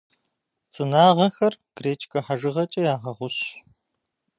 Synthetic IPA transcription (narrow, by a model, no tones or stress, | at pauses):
t͡sʼɨnaːʁɐxɐrɡ̥reːt͡ʃʰʼkʰʼɐħaʒɨʁɐt͡ʃʼɐjaːʁɐʁʷʊɕ